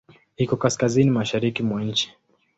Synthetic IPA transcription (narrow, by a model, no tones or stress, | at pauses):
hikɔkaskazinimaʃaɾikimwaɲ̩t͡ʃi̥